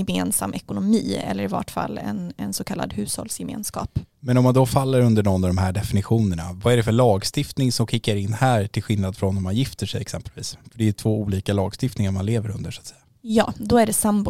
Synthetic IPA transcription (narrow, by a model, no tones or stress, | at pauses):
ɛmeːnsa̰mːʔɛkʊnʊmiːɛ̰lːəɾɪva̰ʈfa̰lːɛ̰nɛnsɔkʰalːa̰d̪hʉ̟ːshɔ̰lsjɛmḛːnskɑ̰ːpmɛnɔmːand̪ɔfalːəɾɵnd̪əɳɔnːɔd̪ɔmɦæːɖɛfɪnɪɧuːnəɳa̰vaæɖɛfœɭɑːɡst̪ɪft̪nɪŋsɔmkʰɪkːaɾɪnːhæːɾʈʰɪlɧɪlnad̪fɾɔnːɔmːanjɪft̪əʂɛ̰jɛksɛmpəlvḭːsfœɖɛjɵt̪ʰv̥oːuːliːkalɑːɡst̪ɪft̪nɪŋaɾmanleːvəɾɵnd̪əʂːt̪sɛjːa | jɑːd̪ɔæɖɛsambʊ